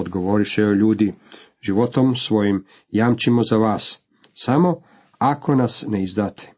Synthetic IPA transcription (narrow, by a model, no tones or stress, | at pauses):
od̪ɡo̞ʋo̞ɾiʃeoʎuːd̪i | ʒiʋo̞t̪o̞msʋo̞jim | jaːmt͡ʃimo̞zaʋaːs | samo̞ | akʰo̞nasneizd̪aːt̪ʰe̥